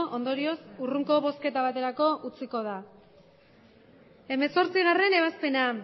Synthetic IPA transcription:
ʔo̞nd̪o̞ɾio̞suruŋko̞βo̞ske̞t̪aβ̞at̪e̞ɾako̞ʔut͡siko̞ða | e̞me̞so̞ɾt͡siɣare̞ne̞β̞aspe̞na

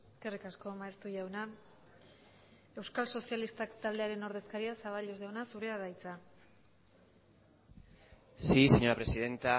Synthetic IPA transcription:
eske̞rikasko̞maest̪uʝawna | e̞wskalso̞sialist̪akt̪ald̪e̞aɾe̞no̞ɾð̞e̞skaɾiasaβ̞alʎozðawnasuɾe̞aðajt͡sa | siseɲo̞ɾapɾe̞siðe̞nt̪a

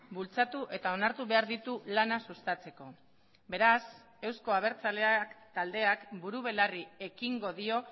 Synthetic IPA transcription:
bult͡sat̪uʔe̞t̪ao̞naɾt̪uβe̞aɾðit̪ulanasust̪at͡se̞ko̞ | be̞ɾas | e̞wsko̞aβ̞e̞ɾt͡saleakt̪ald̪e̞akbuɾuβ̞e̞larie̞kiŋɡo̞ðio̞

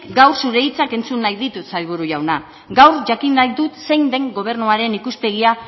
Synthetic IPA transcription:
ɡawɾsuɾe̞it͡sake̞nt͡sunːajðit̪usajβ̞uɾuʝawna | ɡawɾʝakinajd̪ut̪se̞jnd̪e̞ŋɡo̞β̞e̞ɾnuaɾe̞nikuspe̞ɣ̞ia

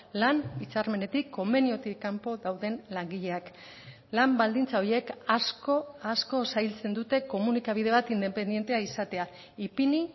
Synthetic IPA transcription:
lanit͡saɾme̞ne̞t̪ikʰːo̞me̞nio̞t̪ikːampo̞ðawðe̞nlaŋɡiʎe̞ak | lambald̪int͡sao̞je̞kasko̞asko̞sajlt͡se̞nd̪ut̪e̞ko̞munikaβ̞ið̞e̞β̞at̪ind̪e̞pe̞nd̪je̞nt̪e̞aisat̪e̞a | ipini

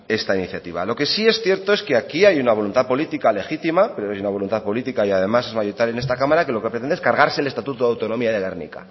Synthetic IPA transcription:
e̞st̪ainiθjat̪iβa̰lo̞ke̞sie̞sθje̞ɾt̪o̞e̞ske̞akiajunaβ̞o̞lunt̪aðpo̞lit̪ikale̞xit̪imape̞ɾoajunaβ̞o̞lunt̪aðpo̞lit̪ikaiað̞e̞mase̞zmajoit̪aljenest̪akamaɾake̞lo̞kepɾet̪end̪eskaɾɣaɾse̞le̞st̪at̪ut̪oðawt̪o̞no̞miaðeɣernḭka̰

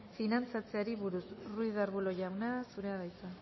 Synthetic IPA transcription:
finant͡sat͡se̞aɾiβuɾusruiðaɾβulo̞ʝawnasuɾe̞aðajt͡sa

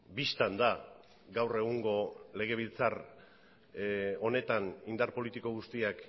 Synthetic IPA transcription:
bist̪and̪a | ɡawre̞ɣ̞uŋɡo̞le̞ɣ̞e̞β̞ilt͡sar | o̞ne̞t̪anind̪aɾpo̞lit̪iko̞ɣ̞ust̪iak

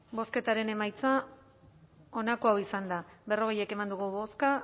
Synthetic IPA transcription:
bo̞ske̞t̪aɾe̞ne̞majt͡sa | o̞nako̞awisand̪abe̞ro̞ɣ̞e̞je̞ke̞mand̪uɣ̞uβo̞ska

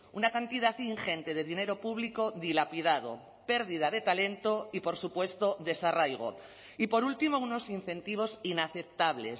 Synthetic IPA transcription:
unakant̪iðaθiŋxe̞nt̪e̞ð̞e̞ðine̞ɾo̞puβ̞liko̞ðilapið̞að̞o̞̰ | pe̞ɾðið̞að̞e̞t̪ale̞nt̪oipo̞ɾsupwe̞st̪o̞ðe̞sarajɣ̞o̞̰ | ipo̞ɾult̪imo̞uno̞sin̟θẽ̞nt̪iβ̞o̞sinaθe̞p̚t̪aβle̞̰s

